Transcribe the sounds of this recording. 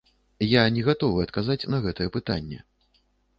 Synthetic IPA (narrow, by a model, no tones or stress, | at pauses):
janʲɛɣat̪ɔvɨɐt̪kazat͡sʲnɐɣɛt̪ɐjɛpɨt̪anʲːɛ̰